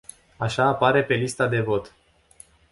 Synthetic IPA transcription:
aʃaːpaɾe̞pe̞list̪ad̪e̞vo̞t̪

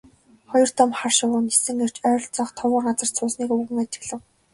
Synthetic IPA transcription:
χɔjɞ̆r̥t̪ɔmχarʃʊwʊːnesɘ̆ŋer̥t͡ɕœ̆ːɬt͡sɔχt̪ʰɔwʊːɢat͡sə̆r̥t͡sʰʊːsniːkɵɣɘ̆ŋat͡ɕɪ̆ɣɮɘ̆w

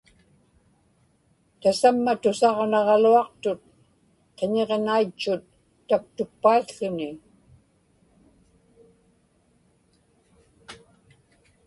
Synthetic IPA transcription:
t̪asamːat̪ʊsɑʁnɑʁɑluɑq̚t̪ʊt̪̚ | qeɲe̞ʁnait͡ʃːʊt̪ː | ak̚t̪ʊk̚pːaiɬʊnɪ

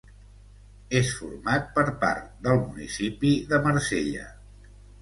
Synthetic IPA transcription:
esfṵɾmat̪̚pəɾpa̰ɾt̪d̪əlˠmunḭsipiðəməɾseʎə̰

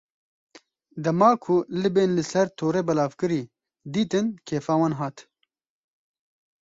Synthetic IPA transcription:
d̪ɐmɑːkʰʊlɨbeːnlɨsɛɾt̪ʰoːɾeːbɛlaːvkɨɾiː | d̪iːt̪ɨnkʰeːfaːwaːnɦɑːt̪

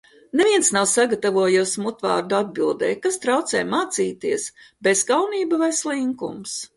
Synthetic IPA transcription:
nevʲiɛnsnawsaɡat̪avuɔjusmut̪va̰ːɾd̪uad̪̚bilˠd̪ɛ̰ːjkast̪ɾawt̪sɛ̰ːjmaːt̪siːt̪iəsbez̥kawniːbavajslˠiŋkṵms

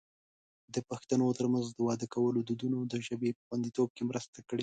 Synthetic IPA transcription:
d̪əpaxt̪anot̪əɾmanzd̪əwɑd̪əkawəlod̪ud̪unod̪əʒəbepə̥xwand̪it̪ob̚kemɾəst̪akəɽe

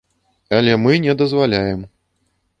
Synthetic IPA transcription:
ɐlʲɛmɨnʲɛd̪ɐzvalʲajɛm

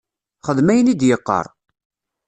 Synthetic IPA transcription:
χəðmæjənid̪jəqːə̰ɾˤ

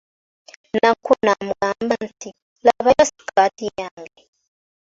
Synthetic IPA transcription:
nakʰunam̩ɡambantʰi | laβajasi̥kʰatijaŋɡɛ

